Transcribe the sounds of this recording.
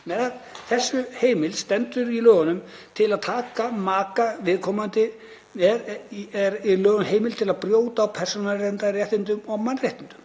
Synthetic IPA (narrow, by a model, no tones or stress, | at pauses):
mɛðθɛsːʏheːjmɪlst̪ɛnt̪ʏɾilœːɣanʏmt̪ʰɪlaðt̪ʰaːkamaːkavɪðkʰɔmant̪ɪ | ɛɛɾilœːɣʏnɦeːjmɪlt̪ʰɪlaðpɾjoːwt̪aːwpʰɛr̥sɔnarɛnt̪arjaht̪ɪnt̪ʏmɔmanːrjajht̪ɪnt̪ʏ̥m